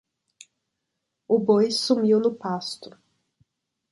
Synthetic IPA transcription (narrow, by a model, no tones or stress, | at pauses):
ʊbojsumiwnʊpast̪ʊ